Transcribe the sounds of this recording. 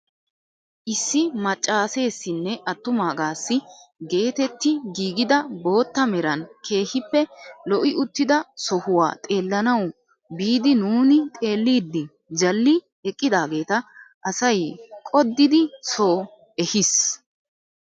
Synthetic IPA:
ʔɪsːɪmɐt͡ʃʼːaːse̞ːsːɪnːɛʔɐt̪ːʊmaːɡaːsːɪɡe̞ːt̪ɛt̪ːɪɡiːɡɪd̪ɐbo̞ːt̪ːɐmɛɾɐnkʰe̞ːhɪpːɛlɔʔɪʊt̪ːɪd̪ɐsɔhʊwa̰ːt̪ʼe̞ːlːɐnɐw | biːd̪ɪnuːnɪt̪ʼe̞ːlːiːd̪ːɪ | d͡ʒɐlːɪ | ɛkʼːɪd̪aːɡe̞ːt̪ɐʔɐsɐjkʼɔd̪ːɪd̪ɪso̞ː | ɛhɪs

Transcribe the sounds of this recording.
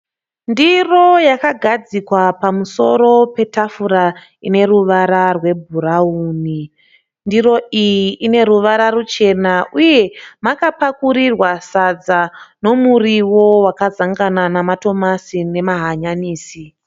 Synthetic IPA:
ndiro̞jakaɡʱad͡zikwapamuso̞ɾo̞pe̞tafuɾa | ine̞ruʋaɾarwe̞bʱuɾauːni | ndiro̞ijiʔːne̞ɾuʋaɾaɾut͡ʃe̞naʔuje̞makapakuɾirwasad͡zano̞muriwo̞wakazaŋɡananamato̞masine̞maɦaɲaniːsi

